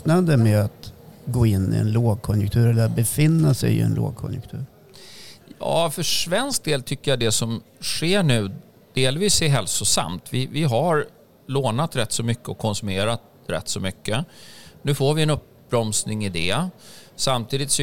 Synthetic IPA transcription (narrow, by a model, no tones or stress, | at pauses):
nad̪əmeat̪ɡoːɪnːɪ̰ɛ̰nloːɡ̚kʰɔnjə̰k̚t̪ʰʉ̟ːɾɛlːəɾat̪̚bɛfɪnːasɛ̰jɪ̰ɛ̰nlo̰ːɡ̚kʰɔ̰njʊk̚t̪ʰʉ̟ːɾ | jɑ̰ːfœʂvɛnsk̚d̪eːlt̪ʰʏkːəjad̪ɛsɔmɧeːɳʉ̟ː | d̪̥eːlviːsæɦɛlsʊsa̰mt̪vɪvɪɦaɾ | loːnat̪ɾɛt̪ːsɔmʏkːəɔkʰːɔnsɵmeːɾat̪ | ɾɛ̰t̪ːsɔmʏkːənʉ̟ːfoːɾvɪɛnɵp̚ | bɾɔmsnɪŋɪd̪ɛ | samt̪ʰiːd̪ɪt̪sɔ